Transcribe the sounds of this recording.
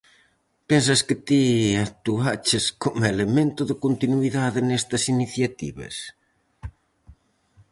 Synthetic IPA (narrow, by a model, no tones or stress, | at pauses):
pens̬ɐskɪt̪iat̪uat͡ʃɪskomelemẽnt̪ʊðɪkont̪inwiðaðɪnɛst̪ɐsiniθjat̪ḭβɐ̰s